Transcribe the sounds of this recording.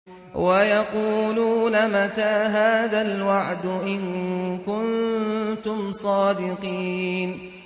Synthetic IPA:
wajɑquːluːnamat̪aːɦaːðalwaʕd̪ʊʔɪŋkʊnt̪ʊmsˤɑːd̪ɪqiːn

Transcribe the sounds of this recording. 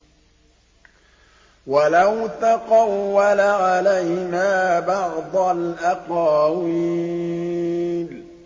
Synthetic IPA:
walawt̪aqɑwːalaʕalajnaːbɑʕd̪ˤɑlʔaqɑːwi | l

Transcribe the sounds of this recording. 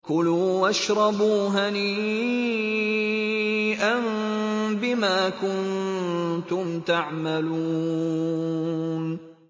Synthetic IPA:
kʊluːʔaʃɾˤɑbuːɦaniː | ʔanbɪmaːkʊn | t̪ʊmt̪aʕmaluː | n

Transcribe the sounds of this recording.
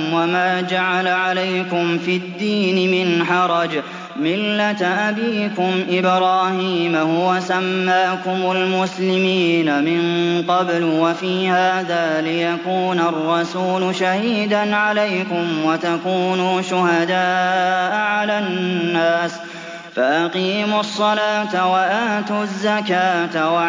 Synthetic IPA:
wamaːd͡ʒaʕalaʕalajkʊmfid̪ːiːnɪmɪnħɑɾˤɑd͡ʒ | mɪlːat̪ʔabiːkʊmʔɪbɾaːhiːmahʊwasamːaːkʊmʊlmʊslɪmiːnamɪnqɑblwafiːhaːðaːlɪjakuːnarˤːɑsuːlʃahiːd̪anʕalajkʊmwat̪akuːnuːʃʊhad̪aːʔʕalaːnːaːs | faʔaqiːmʊsˤːɑlaːt̪waʔaːt̪uzːakaːt̪wa

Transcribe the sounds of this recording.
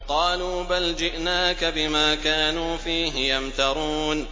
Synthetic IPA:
qɑːluːbald͡ʒɪʔnaːkabɪmaːkaːnuːfiːɦɪjamt̪ɑɾˤuːn

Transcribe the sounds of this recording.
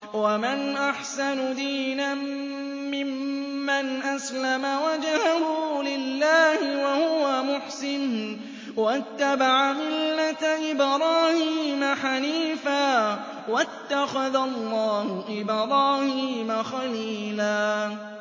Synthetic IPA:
wamanʔaħsanʊd̪iːnaː | ɪmːanʔaslamawad͡ʒhahʊlɪlːaːhɪwahʊwamʊħsɪn | wat̪ːabaʕamɪlːat̪ʔɪbɾˤɑːhiːmaħaniːfaː | wat̪ːaxaðalˤːɑːhʊʔɪbɾˤɑːhiːmaxaliːlaː

